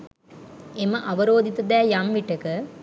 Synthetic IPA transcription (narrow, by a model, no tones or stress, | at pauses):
emɐʔɐʋɐɾoːd̪ʱit̪ɐd̪æːjɐmʋiʈːɐkə